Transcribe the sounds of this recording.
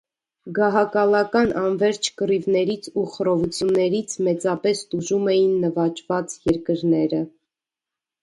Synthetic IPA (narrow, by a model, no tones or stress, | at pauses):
ɡɑɦɑkɑlɑkɑnʔɑnvɛɾt͡ʃʰkərivnɛɾit͡sʰuχəɾɔvut͡sʰjunːɛɾit͡sʰmɛt͡sɑpɛst̪uʒumɛjinːəvɑt͡ʃvɑt͡sjɛɾkəɾnɛɾə